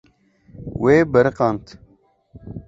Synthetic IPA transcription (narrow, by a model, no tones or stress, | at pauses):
weːbɐɾɨqɑnt̪